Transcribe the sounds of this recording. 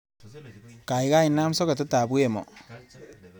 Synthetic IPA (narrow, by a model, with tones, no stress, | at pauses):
ka˨jka˦i˨na˦msɔ˦ke˨t̬u˦ta˨bu˦e˨mɔ̰˨